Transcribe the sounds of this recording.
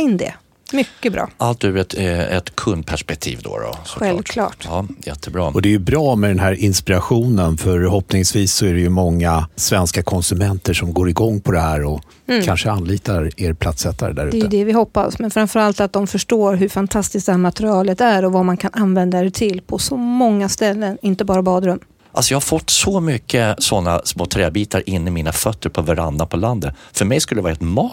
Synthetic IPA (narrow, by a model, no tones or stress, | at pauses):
ɪnd̪ɛ̰ | mʏkːəbɾʔɑ̰ːʔalt̪ʉːvəɾɛt̪ɛɛ̰t̪kʰɵnd̪̚pʰæʂpɛk̚t̪ʰḭːvd̪o̰ɾɔ̰sɧɛlvkʰlɑ̰ːʈːjɛt̪ʰːəbɾɑ̰ːɔd̪ɛːjɵbɾɑːmɛd̪ɛnɦæːɾʔɪnspɪɾaɧuːnənfœɾɦɔpnɪŋsviːsːɔæɾɛjɵmɔŋːasvɛnskakʰɔnsɵmɛnt̪əʂɔmɡoːɾɪɡɔŋːpʰɔd̪ɛhæːɾɔ | kʰanʂəanːliːt̪aɾeːɾpʰlat̪sɛt̪ːa̰ɾə̰d̪æ̰ɾʉ̟d̪ɛːəd̪ɛvɪɦɔpːa̰smɛnfɾamfœɾalt̪at̪̚d̪ɔmfœʂʈoːɾɦɵfant̪ʰast̪ɪsk̚d̪ɛhæːɾmat̪ɾɪɑːlət̪æɾɔvamankʰanʔanvɛnd̪aet̪ʰɪlpʰɔsɔmɔŋːast̪ɛlːənɪnt̪əbɑːɾabɑːd̪ɾɵmː | ʔalsɔjɑːhaɾfɔt̪ːsɔmʏkʰːəsɔnːa̰smoːt̪ʰɾɛːbiːt̪aɾʔɪnːɪmiːnafœt̪ʰːəɾpʰɔvaɾa̰nːapʰɔland̪ət̪fœmɛjskɵlːd̪ɾɛvɑːɛt̪mɑː